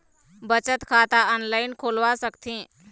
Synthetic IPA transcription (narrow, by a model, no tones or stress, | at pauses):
bət͡ɕət̪kʰat̪aənlainkʰolʋasəkt̪ʰĩː